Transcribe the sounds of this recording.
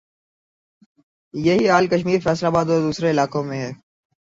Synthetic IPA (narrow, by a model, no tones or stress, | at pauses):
jɐɦiaːlkəʃmiːɾfɛːslaːbaːd̪ɔɾd̪uːsɾeɪlaːkõmẽɦɛː